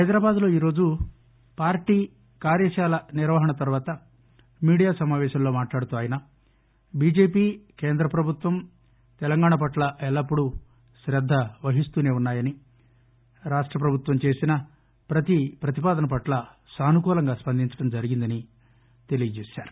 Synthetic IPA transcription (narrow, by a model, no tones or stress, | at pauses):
hɐjd̪ɾaːbaːd̪lo̞ːiːɾo̞ːd͡ʒu | paːɾʈiː | kaːɾjɐʃaːlɐniɾʋɐɦɐɳɐt̪ɐɾuʋaːt̪ɐ | miːɽijaːsɐmaːʋɛːʃɐmlo̞ːmaːʈlaːɽut̪uːaːjɐnɐ | biːd͡ʒe̞ːpiːkeːnd̪ɾɐpɾɐbʱut̪ʋɐm | t̪ɛlɐŋɡaːɳɐp̬ɐʈlɐɛlːɐpːuɽu | ʃɾɐd̪ʱːɐʋɐɦist̪uːne̞ːunːaːjɐni | ɾaːʂʈɾɐpɾɐbʱut̪ʋɐmt͡ʃe̞ːsinɐ | pɾɐt̪ipɾɐt̪ipaːd̪ɐnɐp̬ɐʈlɐ | saːnukuːlɐŋɡaːspɐnd̪ʱiɲt͡ʃɐ̥ɽɐmd͡ʒɐɾiɡind̪ɐni | t̪e̞lijɐd͡ʒeːʃa̰ːɾu